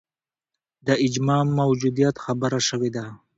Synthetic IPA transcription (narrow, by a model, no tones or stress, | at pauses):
d̪əɪd͡ʒmɑmːawd͡ʒud̪ijat̪xabəɾaʃəwed̪a